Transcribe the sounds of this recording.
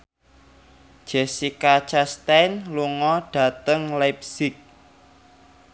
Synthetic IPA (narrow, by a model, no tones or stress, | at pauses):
d̥ʒ̥ɛsikat͡ʃast̪ɛjnluŋɔɖ̥ä̤t̪əŋlap̚sɪk̚